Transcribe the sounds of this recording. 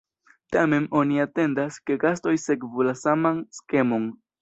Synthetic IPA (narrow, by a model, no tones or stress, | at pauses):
tame̞no̞niate̞ndaske̞ɡasto̞jse̞kvulasamanske̞mo̞n